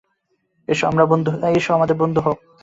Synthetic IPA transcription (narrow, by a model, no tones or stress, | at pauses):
eʃɔamɾabond̪ʱueʃɔamad̪eɾbond̪ʱuɦok̚